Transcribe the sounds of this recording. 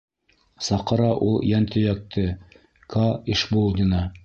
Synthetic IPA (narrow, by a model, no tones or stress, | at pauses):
sɑqɤ̆ɾɑʔulˠjænt̪ʰɘ̆jæk̚t̪ʰɘ | kʰɑiʃbolˠd̪ʲinɑ